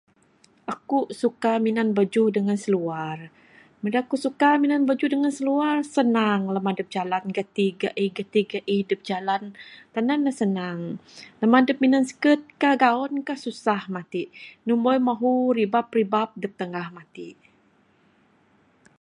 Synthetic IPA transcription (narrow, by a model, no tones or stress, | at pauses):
ʔakuʔsukaminanbəd͡ʒuhdəŋansəluar | mədakusukaminanbəd͡ʒuhdəŋansəluarsənaŋləmadəp̚d͡ʒalanɡat̪iɡaʔihɡət̪iɡaʔihdəp̚d͡ʒalant̪ananːasənaŋləmadəp̚minansə̥kət̪̚kahɡaɔnkahsusahmat̪iʔnumbojmaɦuribap̚ribap̚dəp̚t̪əŋahmat̪iʔ